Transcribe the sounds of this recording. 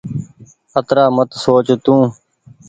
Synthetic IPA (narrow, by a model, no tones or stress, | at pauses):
ət̪ɾaːmət̪soːt͡ʃt̪ũː